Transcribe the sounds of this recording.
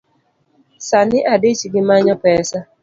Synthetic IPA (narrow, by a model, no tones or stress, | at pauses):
sanɪʔadɪt͡ʃiɡɪmaɲɔpɛsa